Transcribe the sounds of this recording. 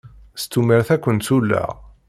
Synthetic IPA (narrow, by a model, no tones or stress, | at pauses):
st̪ːumːiɾθækʷːənt̪sulːæ̰